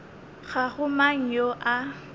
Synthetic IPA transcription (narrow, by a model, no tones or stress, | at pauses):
ɣaɣʊmaŋ̩joʔa